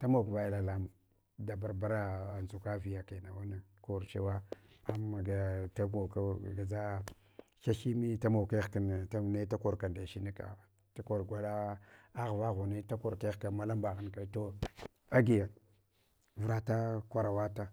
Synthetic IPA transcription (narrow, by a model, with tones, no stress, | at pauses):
ta˦mo˨kva˨jla˨la˦m˨ | da˨ba˨ɾba˦ɾa˦a˨nzu˨ka˦vi˨ja˨ka˨na˨wa˦na˨ko˨ɾt͡ʃe˦wa˦a˦m˦a˨ɡa˨ta˦ɡo˨ka˦˨ɡa˨d͡za˦ | ʃa˦ʃi˦mi˦ta˦ma˨ke˦˨ka˨n˨a˦˨ne˦ta˦ko˨ɾka˨nda˨ʃi˦ni˦ka̰˨ | ta˦ko˨ɾɡʷa˦ɗa˦a˦ɣva˦ɣu˨ne˦ta˦ko˨ɾke˦˨ka˨ma˦la˦mba˨ɣa˦nka˦to˦ | a˦ɡi˨ja˨ | vɾa˦ta˦kʷa˨ɾa˨wa˦ta˦